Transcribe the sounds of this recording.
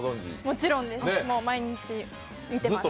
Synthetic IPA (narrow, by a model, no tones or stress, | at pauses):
d̪õŋʲḭmo̞t͡ɕiɾõ̞nd̪e̞snemo̞ːmaiɲ̟it͡ɕi | mʲit̪e̞zɨat̪ːo